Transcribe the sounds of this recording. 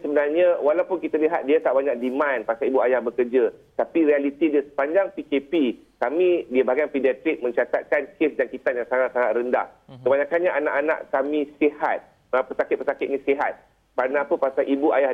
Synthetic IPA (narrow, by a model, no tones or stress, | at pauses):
səbənarɲawalawpʊnkit̪aliɦat̪̚diat̪aʔbaɲak̚dimãnpasalibuajahbəkərd͡ʒat̪apiɾialit̪idiasə̥paɲd͡ʒaŋpikepi | kamĩdiabaɦaɡanpidiat̪ɪk̚mə̃ɲt͡ʃat̪a̰t̪̚kankɪsd͡ʒaŋkit̪anjaŋsaŋaʔsaŋat̪ɾənda̰hkəbaɲãkanɲaʔana̰ʔanã̰ʔkamĩsehat̪̚ | apəsakɪt̪̚pəsakɪt̪̚nĩseɦat̪̚ | karnapəpasalʔibuʔajah